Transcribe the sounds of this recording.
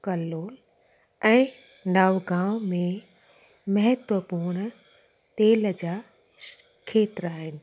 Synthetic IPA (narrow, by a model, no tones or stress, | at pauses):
kɐloːl | ɛ̃ː | naːʋɡãːwmẽ | mɐɦɪt̪ʋəpuɾɽ̃̆ | t̪eːld͡ʑaː | kʰeːt̪ɪɾaːɦɪnɪ̆